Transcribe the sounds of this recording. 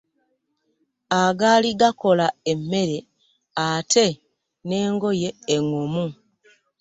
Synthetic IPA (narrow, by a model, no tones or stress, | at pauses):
aɡaːliɡako̞lae̞mːe̞ɾe̞ | atʰe̞ | ne̞ːŋɡo̞je̞ːŋomu